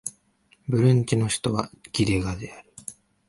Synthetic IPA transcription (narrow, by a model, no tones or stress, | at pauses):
bɯ̟ɾɯ̟̃ɲ̟t͡ɕino̞ɕi̥t̪o̞βaɡ̥ʲid̪e̞ɡad̪e̞aɾɯ̟